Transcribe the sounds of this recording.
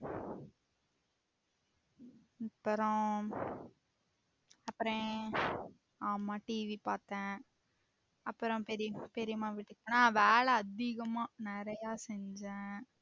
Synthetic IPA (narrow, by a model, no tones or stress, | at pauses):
ɐpːɾõ | ɐpːɾɔ̃ | aːmaːʈiːʋipaːɾt̪ɛ̃ː | ɐpːɯɾɔ̃pɛɾɪjɐmaːpɛɾɪjɐmaːʋɪʈːɯkːɐnãːʋeːɭɐːd̪ɪɣɐmãːnɪɾɐjaːsɛɲd͡ʒẽː